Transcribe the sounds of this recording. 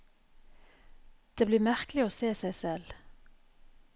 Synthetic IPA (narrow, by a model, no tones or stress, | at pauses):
d̪̥eːbliːmæʁklɪoːseːsæɪsɛl